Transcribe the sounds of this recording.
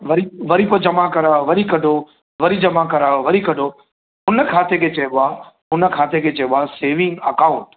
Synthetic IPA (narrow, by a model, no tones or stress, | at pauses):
ʋɐɾiʋɐɾip̬əd͡ʑɐmakɐɾaʋɐɾikɐɖʱo | ʋɐɾid͡ʑɐmakɐɾaːoʋɐɾikɐɖʱo | ɦʊnə̆kʰaːt̪ekʰeːt͡ɕɐɦʋoaɦʊnə̆kʰaːt̪ʰekʰeːt͡ɕɐɦʋaːseːʋɪ̃ŋɡɐkãːʊ̃ɳʈ